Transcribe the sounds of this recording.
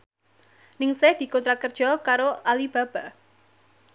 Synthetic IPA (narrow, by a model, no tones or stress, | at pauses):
nɪŋsehd̪̥i̤kɔnt̪ɾakərd̥ʒ̥ɔkaɾoʔalib̥ä̤b̥a̤